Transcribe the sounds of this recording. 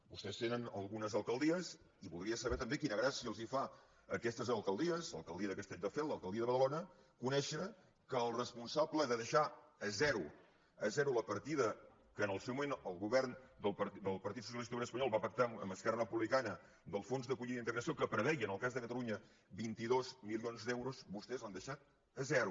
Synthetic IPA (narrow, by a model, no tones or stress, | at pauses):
bust̪ɛst̪enənəlˠɣunəzəlˠkəlˠd̪iəz | iβulˠd̪ɾiəsəβɛɾt̪əmbekinəɣɾasiəːlˠzifa | əkɛst̪əzəlˠkəlˠd̪iəzlə̰lˠkəlˠd̪iəðəkəst̪ɛʎd̪əfɛlˠəlˠkəlˠd̪iəðəβəðəlonə | kunɛʃə | kəːlˠrəspunsabləðəðəʃaəzɛɾu | əzɛɾuləpəɾt̪iðə | kənəlˠsewmumenəlˠɣuβɛrnd̪əlˠpd̪əlˠpəɾt̪it̪sus̬iəlist̪ueñəspəɲɔlˠβapək̚t̪aə̰mbəskɛrərəpuβlikanə | d̪əlˠfonzðəkuʎiðint̪əɣɾəsiokəpɾəβɛjənəlˠkazðəkət̪əluɲə | bint̪iðozmilionzd̪ɛwɾuzbust̪ɛzand̪əʃat̪̚ | əzɛɾu